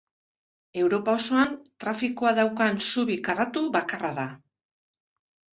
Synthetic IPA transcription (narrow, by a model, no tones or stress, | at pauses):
e̞wɾo̞pao̞so̞ant̪ɾafikoaðawkansuβikarat̪uβakaraða